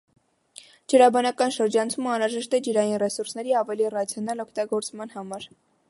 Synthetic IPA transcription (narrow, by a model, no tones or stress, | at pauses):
d͡ʒəɾɑbɑnɑkɑnʃəɾd͡ʒɑnt͡sʰuməɑnɾɑʒɛʃt̪ɛd͡ʒəɾɑjinrɛsuɾsnɛɾiɑvɛlirɑt͡sʰjɔnɑlɔkʰt̪ɑɡɔɾt͡smɑnhɑmɑɾ